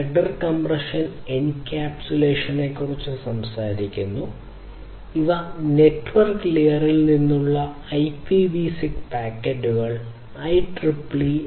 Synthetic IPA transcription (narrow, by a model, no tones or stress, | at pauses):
eɖɐrkɐmprɐʂɐnenkkʲːaːpt͡ɕuleːʂɐnekːurɐt͡ɕːɨsɐmsaːɾikʲːunːu | iʋɐne̞ʈːʋɐrklejɐrilninːuɭːɐ | ɐjpibisikpaːkːeɖuɣɐɭ | ɐjʈripɭi